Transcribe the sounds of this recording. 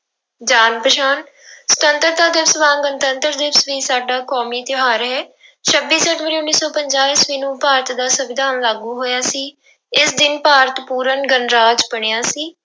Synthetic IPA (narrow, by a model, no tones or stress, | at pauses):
d͡ʒaːnpəʃaːn | sə̥t̪ənt̪əɾd̪aːd̪ɪʋsʋãːŋɡənt̪ənt̪əɾd̪ɪbsʋiːsaːɖaːkɔːmiːt̪ɪɦaːɾɦɛː | t͡ʃʰəbːiːsəʈʋəɾiːʊnːiːsɔːpəɲd͡ʒaːliːsʋiːnũːpaːɾət̪d̪aːsəbɪd̪aːnlaːɡuːɦoːjaːsiː | ɪsd̪ɪnpaːɾət̪puːɾənɡənɾaːd͡ʒpəɳ̃eːaːsiː